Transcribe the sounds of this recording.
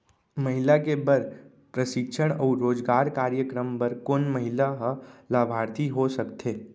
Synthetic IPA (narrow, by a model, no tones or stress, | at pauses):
məɦɪlakebɐɾ | pɾəʃɪkʃʰəɽ̃ɔːɾoːd͡ʒɡaːɾkaːɾjəkɾəmpɐɾkoːnməɦɪlaɦlaːbʱaːɾt̪ʰiɦosɐkt̪ʰeː